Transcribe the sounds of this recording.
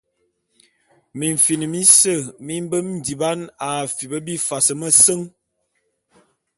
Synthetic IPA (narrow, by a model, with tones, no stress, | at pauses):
mi˨ɱ̩˨fi˨nə˨mi˦sə˦˨mi˦m˦bə˦m˦n˨˦di˨ba˦na˨fi˨bə˦bi˦fa˨sə˨mə˦sə˦ŋ